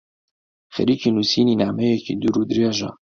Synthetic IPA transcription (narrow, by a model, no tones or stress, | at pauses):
xɛ̰ɾiːkʰinusiːninaːmɛjɛkid̪uɾud̪ɾijaʒa̰